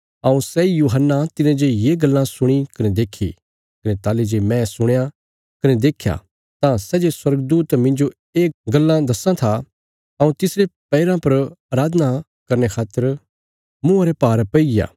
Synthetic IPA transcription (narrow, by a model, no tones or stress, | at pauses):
ɐũsɛijuːɦənːat̪ɪnẽd͡ʒejeɡɐlːãsʊɽ̃ikɐned̪eːkʰːḭ | kɐnet̪aːled͡ʒemɛ̃sʊɽ̃ja | kɐned̪eːkʰja̰ | t̪ãsɛːd͡ʒeswɐɾɡd̪uːt̪mɪ̃nd͡ʒo | eːɡɐlːãd̪ɐsãt̪ʰa | ɐũt̪ɪsɾepɛːɪɾãpɐɾaːɾaːd̪na | kɐɾnekʰaːt̪ːəɾ | mũɐɾepaːɾpɐija̰ː